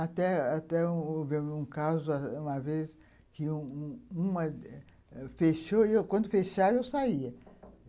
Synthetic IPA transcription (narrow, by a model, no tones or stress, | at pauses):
at̪ɛat̪ɛũovimũkazʊaũmɐves | kɪũũmɐ | feʃoewkwɐ̃nd̪ʊfeʃaɾewsaiɐ